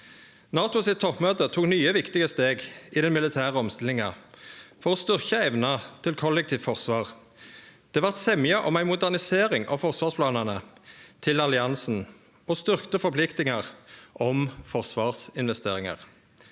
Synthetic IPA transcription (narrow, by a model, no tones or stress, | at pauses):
nɑːt̪ʊsɪt̪ʰːɔpmøːt̪ət̪ʰuːknyːəʋɪkt̪ɪɡəst̪eːɡiːd̪ɛnmɪlɪt̪ʰæːʁəɔmst̪ɪlɪŋɑ̰ | fɔʁoːst̪ʏʁçəɛʋnɑt̪ʰɪlkʰɔlːɛk̚t̪ʰiːʋfɔʁsʋɑːʁ | d̪̥ɛːʋɑʁt̪sɛmjəʔɔmæɪmʊd̪æʁnɪseːʁɪŋɑ̰ːʋfɔʁsʋɑːʁspʰlɑːnənət̪ʰɪlɑlɪɑnsn̩ | oːst̪ʏʁkt̪əfɔʁpʰlɪkt̪ɪŋəʁʔɔmfɔʁsʋɑːʁsɪnʋɛst̪ḛːʁɪŋɑ̰ʁ